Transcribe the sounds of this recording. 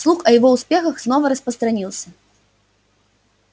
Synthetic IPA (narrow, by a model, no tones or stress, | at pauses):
slˠuxɐjavɔwsʲpʲɛxɐxznɔvɐɾɐspɾɐst̪ɾanʲilˠsʲɐ